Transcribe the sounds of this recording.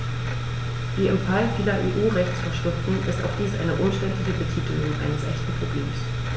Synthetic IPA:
v̥iːɪmfalfiːlɐʔeːʔuːʁɛçt͡sfɐɐʃtʊftʊn̩ʔɪ̰sta̰ʊxd̥iːsʔa̰ɪnəʔʊmʃtɛntlɪçəbətʰiːtəunʔa̰ɪnəsʔɛçtn̩pʁ̥obleːms

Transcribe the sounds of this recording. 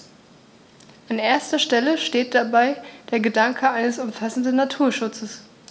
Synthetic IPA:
ʔanʔeːɐstɐʃtɛləʃteːt̚d̥abaɪd̥eːɐɡədaŋkʰəaɪnəsʊmfasn̩dn̩ːatʰuːɐʃʊt͡səs

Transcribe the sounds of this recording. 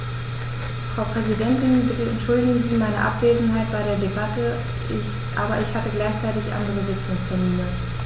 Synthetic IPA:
fʁ̥aʊpʁ̥ɛzidɛntɪnbɪtəɛntʃʊldɪɡŋ̩ziːmaɪnə̰ʔa̰pv̥eːzn̩ɦaɪt̚b̥aɪɾeːɐdebatə | ʔaːbɐʔɪçhatəɡlaɪçt͡saɪtɪçʔa̰ndəʁəvɪt͡sʊŋsfɔɐmiːɐ

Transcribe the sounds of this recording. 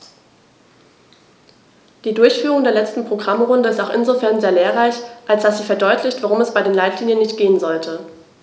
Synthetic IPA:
d̥iːdʊɐçfyːʁʊŋdeːɐlɛt͡stn̩pʁ̥oɡʁamʁʊndəɪstaʊxʔɪnzofɛɐnzeːɐleːɐʁaɪçʔalsd̥asz̥iːfɛɐdɔʏtʰlɪçtv̥aʁ̞ʊmɛsb̥aɪdeːnlaɪtliːnjənːɪçt̚ɡ̥eːənzɔltʰə

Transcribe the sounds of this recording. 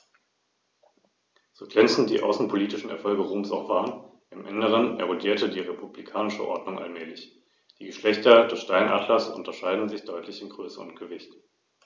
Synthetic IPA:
z̥oːɡʁɛnt͡sn̩td̥ḭːʔa̰ʊsn̩pʰoliːtɪʃn̩ɛɐfɔlɡəʁuːmsaʊxv̥aːʁən | ʔɪmʔɪnəʁ̞ənɛ̰ʁ̞odiːɐtədiːʁepʰublikʰaːnɪʃə̰ʔɔ̰ɐdnʊŋʔa̰lmɛːlɪç | d̥iːɡəʃlɛçtɐdɛsʃtaɪnʔa̰ːdlɐsʔʊ̰ntɐʃaɪdn̩zɪçd̥ɔʏtʰlɪçɪmɡʁøːsəʊ̰nt̚ɡ̥əvɪçt

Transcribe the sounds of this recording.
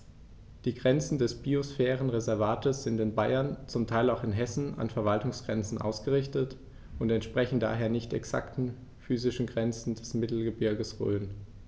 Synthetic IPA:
d̥iːɡʁɛnt͡sn̩dɛsb̥iosfɛːʁ̞ənʁezɛɐvaːtʰəsz̥ɪntɪnbaɪɐnt͡sʊmtʰaɪlaʊxɪnɦɛsn̩a̰nfɛɐvaltʊŋsɡ̥ʁɛnt͡sn̩ʔa̰ʊsɡ̥əʁɪçtət | ʔʊntɛntʃpʁ̥ɛçn̩da̰ːɦeːɐnɪçtɛ̰ksa̰ktn̩ | fyːzɪʃn̩ɡʁɛnt͡sn̩dɛsmɪtl̩ɡəbɪɐɡəsʁø̰ːn

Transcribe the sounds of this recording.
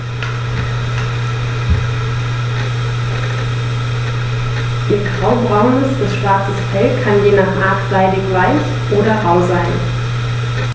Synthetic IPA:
d̥iːɡʁaʊbʁaʊnɪsd̥asʃv̥aɐt͡səsfɛlkʰanjeːnaχʔaːkz̥aɪlɪçv̥aɪs | ʔoːdɐʁaʊzaɪn

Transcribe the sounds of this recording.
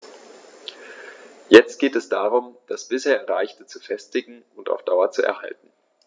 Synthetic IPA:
jɛt͡st̚ɡ̥eːtɛsd̥aːʁʊmd̥asb̥ɪsheːɐʁaɪçtət͡sufɛstɪɡŋ̩ʊnta̰ʊfd̥aʊɐt͡suɛ̰ɐha̰ltn̩

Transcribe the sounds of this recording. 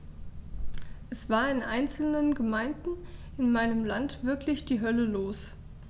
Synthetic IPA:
ʔɛsv̥aːɐɪnʔaɪnt͡sl̩nənɡəmaɪndn̩ʔɪnmaɪnəmlantv̥ɪɐklɪçd̥iːɦœləloːs

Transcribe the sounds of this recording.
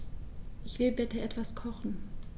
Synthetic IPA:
ʔɪçv̥ɪlbɛtəʔɛtv̥askʰɔχn̩

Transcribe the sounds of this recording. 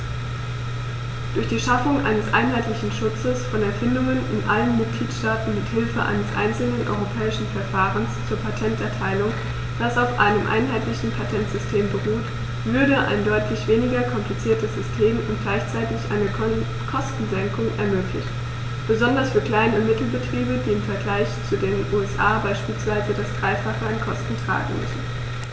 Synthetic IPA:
d̥ʊɐçd̥iːʃafʊŋʔa̰ɪnəsʔa̰ɪnɦaɪtlɪçn̩ʃʊt͡səsfɔnɛɐfɪndʊŋənɪnʔa̰lənmɪt̚ɡ̥liːtʃtaːtn̩mɪthɪlfəʔa̰ɪnəsʔa̰ɪnt͡sl̩nənʔɔ̰ʏʁopʰɛːɪʃn̩fɛɐfaːʁənst͡suːɐpʰatʰɛntʔɛɐtʰaɪlʊŋ | d̥asaʊfʔa̰ɪnəmʔa̰ɪnɦaɪtlɪçn̩pʰatʰɛntz̥ʏstʰeːmbəʁuːt | v̥ʏɐdəʔa̰ɪndɔʏtʰlɪçv̥eːnɪɡɐkʰɔmplit͡siːɐtəsz̥ʏstʰeːmʊ̰ntɡ̥laɪçt͡saɪtɪçʔa̰ɪnə | kʰɔstn̩zɛŋkʊŋʔɛ̰ɐmøːklɪ̰çt | b̥əzɔndɐsfyːɐkl̥aɪnəmɪtl̩bətʁ̥iːbədiːɪmfɛɐɡlaɪçt͡sudeːnʔuːɛsʔaːbaɪʃpiːlsv̥aɪzədasd̥ʁaɪfaχəankʰɔstn̩tʁ̥a̰ːɡŋ̩mʏ̰sn̩

